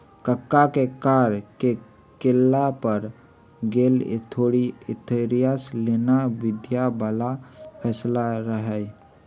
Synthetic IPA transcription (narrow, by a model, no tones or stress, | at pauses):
kəkːakekaːɾke | kelːapəɾ | ɡeːlḛt̪ʰoɽiɪt̪ʰeɾijasleːnabɪd̪jabalapʰɛːslaɾəɦɛ